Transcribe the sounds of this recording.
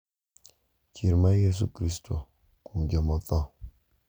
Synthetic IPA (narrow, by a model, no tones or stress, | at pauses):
cʰiɾmajes̬ṵkɾist̪ʰo̰ | kumɡʲamat̪a